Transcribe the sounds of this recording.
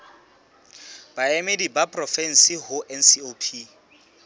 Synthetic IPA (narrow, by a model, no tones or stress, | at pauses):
b̥aɛmedibapʼrɔfɛn̩siɦʊʔɛn̩siopʰi